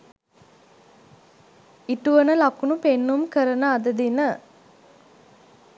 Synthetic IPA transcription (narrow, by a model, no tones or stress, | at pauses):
iʈuʋənəlakunupenːumkəɾənəad̪əd̪inə